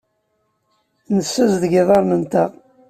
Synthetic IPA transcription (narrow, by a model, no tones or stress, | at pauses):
nəsːəzðʝɪðˤɑɾˤnənt̪a